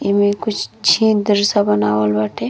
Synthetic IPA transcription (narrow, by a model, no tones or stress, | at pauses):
emẽkʊt͡ʃʰt͡ʃʰĩd̪əɾsabənaːwəlbaʈʰe